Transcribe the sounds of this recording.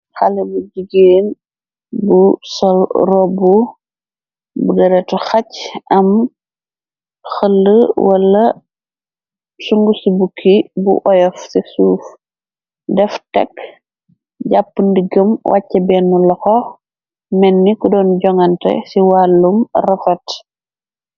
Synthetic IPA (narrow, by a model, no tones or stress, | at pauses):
xɐlɛbuɟiɡeːn | busɔlrɔbu | budɐɾɛtuxɐcʔɐm | xəlːəwɐlːɐ | suŋɡusibukʰːibṵʔɔjɔfsisuːf | dɛftɛ̰kː | ɟapːundiɡəmwʔa̰cːɐbɛːnːulɐxɔ | mɛnːikudɔːnɟɔŋɐntɐ̰siwaːlːumrɐfɐt